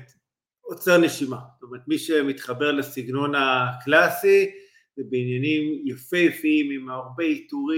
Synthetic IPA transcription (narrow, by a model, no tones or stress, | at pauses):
ot͡seʁne̞ʃimast̪omeʁet̪miʃemit̪χabe̞ʁlasiɡno̞naklasi | zebeinjanimjafijfiimimaʁbeit̪uʁi